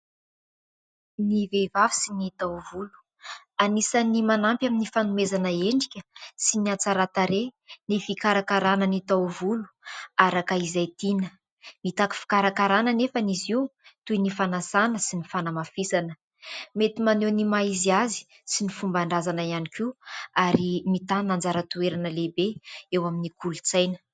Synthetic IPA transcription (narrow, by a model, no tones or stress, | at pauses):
nivevavi̥sinit̪awvulu̥ | anisanimanampjaminifanumezanəeɳɖ͡ʐikʲəsiniat͡saɾat̪aɾenifikaɾakaɾanənit̪awvulu̥aɾakaizajt̪inə | mit̪aki̥fi̥kaɾakaɾanənefəniziwt̪ujnifanasanəsinifanamafisanə | met̪imanenimaiziazi̥ | sinifumbaɳɖ͡ʐazanaianikiaɾimit̪anand͡zaɾət̪ueɾanəlebeewaminikulut͡sajnə̥